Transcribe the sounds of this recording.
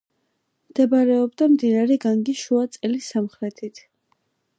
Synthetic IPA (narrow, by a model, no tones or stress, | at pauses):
md̪̥ɛbaɾɛɔbd̪amd̪inaɾɛɡaŋɡiʃuat̪sʼɛlisamχɾɛt̪ʰit̪ʰ